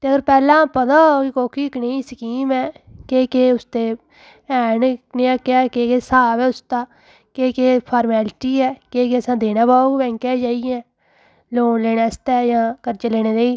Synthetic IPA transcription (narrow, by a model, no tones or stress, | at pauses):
t̪eːəɡəɾpɛːlãːpəd̪ãːkɪkoːkʰiːɪkneːisəkiːmɛːkeːkeːʊst̪eː | ɛːnknejãːkɪaːkeːkeːsaːʋɛːʊst̪aː | keːkeːpʰaːɾmɛːlʈiːɛːkeːk̬eːəsãːd̪eːnãːbaːoːɡbɛ̃ːŋkɛːd͡ʒaːiɛ̃ː | loːnleːɽeːst̪ɛːjãːkəɾt͡ʃeːleːɽeːleːiː